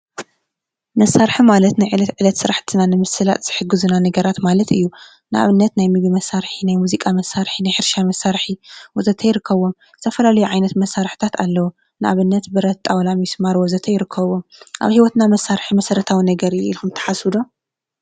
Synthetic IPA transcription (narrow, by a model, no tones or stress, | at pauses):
mɐsːaɾħimalɐt̪najʕɨlɐt̪ʕɨlɐt̪sɨɾaħt̪ʰɨnanɨmɨsɨla̰t̪z̥ɨħɨɡːɨzunanɐɡɐɾat̪malɐt̪ɨjːu | nɨʔa̰βɨnːɐt̪najmɨɡimɐsːaɾħinajmuzikʼamɐsːaɾħinajħɨɾʃamɐsaɾħiwɔzɐt̪ʰɐjɪɾɨkːɐβo̞m | zɨt̪ʰɐfɐlalɐjuʕajnɐt̪mɐsːaɾħɨ̥t̪ʰat̪ʰalːɐwu | nɨʔa̰βɨnːɐt̪bɨɾɐt̪ʼawlamismaɾwɔzɐt̪ʰɐjɪɾɨkʰːɐβomʔa̰βhiwɔt̪namɐsːaɾħimɐsɐɾɐt̪ʰawinɐɡɐɾɨjʔḭlxumt̪ʰɐ̥ħasud̪o